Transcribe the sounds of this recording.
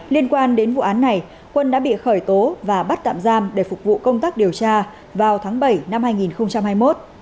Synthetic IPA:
li˧ənkwaː˧nɗe˨˦nvṵ˧˨ʔaː˨˦nːa˨˩j | kwə˧nɗa̰ː˧˥ɓḭ˧˨xəː˧˩jt̪o˨˦vaː˨˩ɓə˦˥t̚t̪a̰ː˧˨mzaː˧mɗe˧˩fʊ˨˩k͡p̚k̚vṵ˧˨kə˧wŋ͡mt̪aː˦˥k̚ɗi˨˩əwt͡ɕaː˧ | vaː˨˩wt̪ʰaː˨˦ŋɓə˧˩jna˧mhaː˧jŋi˨˩nxə˧wŋ͡mt͡ɕa˧mhaː˧jmo˦˥t̚

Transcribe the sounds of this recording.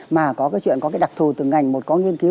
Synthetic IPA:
maː˨˩kɔ˨˦kaː˨˦jt͡ɕwḭ˧˨ənkɔ˨˦kːjɗa˨˩k̚t̪ʰu˨˩t̪ɨ˨˩ŋa˨˩jŋ̟mo˨˩t̚kɔ˨˦ŋi˧ənki˨˦

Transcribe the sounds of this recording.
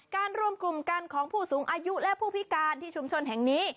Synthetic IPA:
kaː˧nɾu˥˩əmklu˨˩mka˧nkʰɔː˩˦ŋpʰuː˥˩suː˩˦ŋʔaː˧ju˦˥ʔlɛ˦˥pʰuː˥˩pʰi˦˥kaː˧nt̪ʰiː˥˩t͡ɕʰu˧mt͡ɕʰo˧nɦɛ˨˩ŋniː˦˥

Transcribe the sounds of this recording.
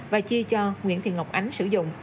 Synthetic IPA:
vaː˨˩t͡ɕi˧t͡ɕɔ˧ŋwḭ˧˥ənt̪ʰḭ˧˨ŋa˨˩wk͡p̚ʔa˨˦jŋ̟sɨ˧˩zʊ̰˧˨ŋ͡m

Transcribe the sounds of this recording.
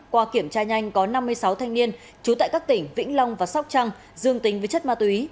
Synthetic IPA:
kwaː˧ki˧˩əmt͡ɕaː˧ɲa˧jŋ̟kɔ˨˦na˧mːɨ˧əjsa˨˦wt̪ʰa˧jŋ̟ni˧ən | t͡ɕu˨˦t̪a̰˧˨kaː˦˥k̚t̪ï˧˩ŋ̟vḭ˧˥ŋ̟la˧wŋ͡mvaː˨˩sa˦˥k͡p̚t͡ɕa˧ŋ | zɨ˧əŋt̪i˨˦ŋ̟vəː˨˦jt͡ɕə˦˥t̚maː˧˩t̪wi˨˦

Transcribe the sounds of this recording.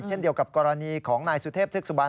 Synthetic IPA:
t͡ɕʰe˥˩ndi˧əwka˨˩p̚kɔː˧ɾa˧niː˧kʰɔː˩˦ŋnaː˧jsu˨˧˦t̪ʰeː˥˩p̪̚ʰɯ˥˩ksu˧baː˧n

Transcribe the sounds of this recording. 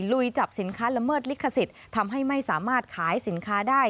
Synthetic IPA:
lu˨˩jt͡ɕa˨˩p̚si˨˩˦nkʰaː˦˥la˧mɤː˥˩t̪̚li˦˥kʰːa˧si˨˩t̪̚ʰːa˧mɦa˥˩jma˥˩jsaː˩˦maː˥˩t̪̚kʰaː˩˦jsi˩˦nkʰaː˦˥daː˥˩j

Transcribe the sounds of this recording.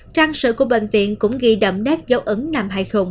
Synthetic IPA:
t͡ɕaː˧ŋsɨ̰˧˨ku˧˩əɓḛ˧˨ŋ̟vḭ˧˨ənkʊ̰˧˥ŋ͡mɣi˧ɗə̰˧˨˩mɗɛ˦˥t̚zə˨˦wʔɨ˨˦ŋnaː˨˩mɦa̰ː˧˨jxʊ˨˩ŋ͡m

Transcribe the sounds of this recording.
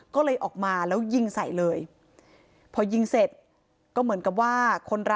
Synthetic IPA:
kɔː˥˩lɤː˧jʔɔː˨˩k̚maː˧lɛː˦˥wji˧ŋsa˨˩jlɤː˧j | pʰɔː˧ji˧ŋse˨˩t̪̚ | kɔː˥˩mɯ˩˦ənka˨˩p̚waː˥˩kʰo˧nɾa˦˥

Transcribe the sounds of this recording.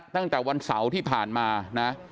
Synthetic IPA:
t̪a˥˩ŋt̪ɛː˨˩wa˧nsa˩˦wt̪ʰiː˥˩pʰaː˨˩nmaː˧na˦˥

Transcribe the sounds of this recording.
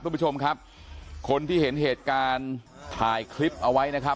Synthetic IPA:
ɾu˥˩pʰːu˥t͡ɕʰo˧mkʰa˦˥p̚ | kʰo˧nt̪ʰiː˥˩ɦe˩˦nɦeː˨˩t̪̚kaː˧n | t̪ʰaː˨˩jkʰli˦˥p̚ʔa˧wa˦˥jna˦˥kʰa˦˥

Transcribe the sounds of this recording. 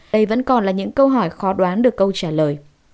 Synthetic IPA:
ɗə˧jvə̰˧˥nkɔ˨˩nlaː˨˩ɲɨ̰˧˥ŋkə˧wɦɔ˧˩jxɔ˨˦ɗwaː˨˦nɗɨ˨˩əkːə˧wt͡ɕaː˧˩ləː˨˩j

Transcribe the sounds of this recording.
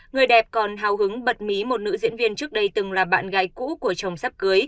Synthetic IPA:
ŋɨ˨˩əjɗɛ˨˩p̚kɔ˨˩nɦaː˨˩wɦɨ˨˦ŋɓə˨˩t̚mi˨˦mo˨˩t̚nɨ̰˧˥zḭ˧˥ənvi˧ənt͡ɕɨ˦˥ək̚ɗə˧jt̪ɨ˨˩ŋlaː˨˩ɓa̰ː˧˨nɣa̰ː˧˦jkṵ˧˥ku˧˩ət͡ɕə˨˩wŋ͡msa˦˥p̚kɨ˨˦j

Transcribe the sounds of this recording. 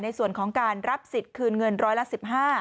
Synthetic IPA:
na˧jsu˨˩ənkʰɔː˩˦ŋkaː˧nɾa˦˥p̚si˨˩t̪̚kʰɯː˧nŋɤ˧nɾɔː˦˥jla˦˥si˨˩p̚ɦaː˥˩

